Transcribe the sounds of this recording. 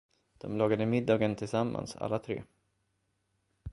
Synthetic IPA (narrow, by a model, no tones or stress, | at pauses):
d̪̥ɔmlɑːɡad̪əmɪd̪ːɑːɡənt̪ʰɪlsamːa̰nsa̰lːat̪ʰɾḛː